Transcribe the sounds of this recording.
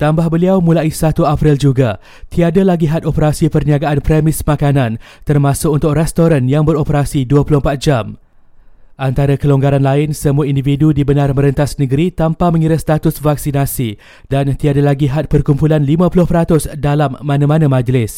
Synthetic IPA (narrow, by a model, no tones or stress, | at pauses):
t̪ambahbəliawmũlaisat̪uapɾɪld͡ʒuɡa | t̪iadalaɡiɦat̪̚opəɾasipərniaɡaʔanpɾɛmɪsmãkanãn | t̪ərmãsʊk̚unt̪ʊk̚rɛst̪oɾanjaŋbəɾopəɾasiduəpulʊhmpat̪̚d͡ʒam | ʔant̪aɾakəloŋɡaɾanlaɪnsəmuaindividudibənarmə̃ɾənt̪asnə̃ɡəɾit̪ampamə̃ŋiɾast̪at̪ʊsvak̚sinasi | dant̪iadalaɡiɦat̪̚pərkumpulanlimãpulʊhpəɾat̪ʊsdalamːãnãmãnãmãd͡ʒlɪs